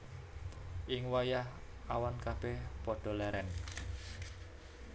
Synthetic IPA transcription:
ʔɪŋwajah | awankab̥epɔɖ̥ɔ̤lɛɾɛn

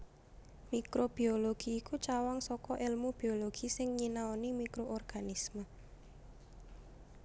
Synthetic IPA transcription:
mikɾob̥i̤oloɡ̥iːkut͡ʃawaŋsɔkɔʔɪlmub̥ioloɡ̥isɪŋɲinaɔnimikɾoʔɔrɡ̥anismə

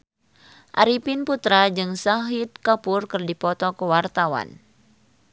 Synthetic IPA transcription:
ʔa̰ɾipinput̪ɾad͡ʒɨŋsaɦit̪̚kapʊrkɨrdipɔt̪ɔkəwart̪awa̰n

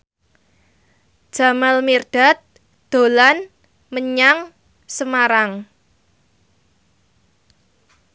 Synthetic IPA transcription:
d̥ʒ̥a̤malmirɖ̥a̤t̪̚ | d̪̥o̤lan | məɲaŋ | səmaɾaŋ

